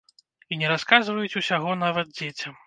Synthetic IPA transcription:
inʲɛɾaskazvɐjut͡sʲusʲaɣɔnavɐd̪̚d͡zʲet͡sʲɐm

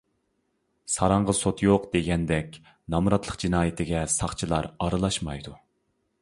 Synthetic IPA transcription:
sɑɾɑɴʁəsot̪ʰjoqd̪̥eɡʲɛnd̪ɛkʲ | nɑmɾɑt̪ʰlˠə̥qd͡ʒinɑːjɪt̪ʰɪɡʲɛsɑχt͡ʃʰilˠɑɾɑɾɨlˠɑʃmɑjd̪u

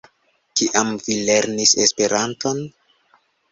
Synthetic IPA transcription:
kiʔamvile̞ɾnisespe̞ɾanto̞n

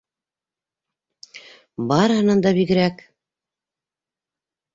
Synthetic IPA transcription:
bɑɾɦɤ̆nɤ̆nd̪ɑβiɡɘ̆ɾæk

